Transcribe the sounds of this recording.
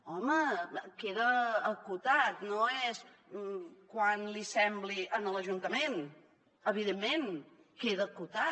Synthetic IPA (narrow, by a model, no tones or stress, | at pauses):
ɔməkeðəːkut̪at̪noɛs | kwanlisɛmbliʔənələʒunt̪əmen | əβiðemːen | keðəkut̪a